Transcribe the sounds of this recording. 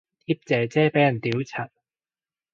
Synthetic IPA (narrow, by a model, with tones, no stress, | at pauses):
t̪ʰiː˥p̚t͡sɛː˨˧t͡sɛː˥pe˨˥jɐ˨˩nt̪iː˨˥wt͡sʰɐ˨˩t̚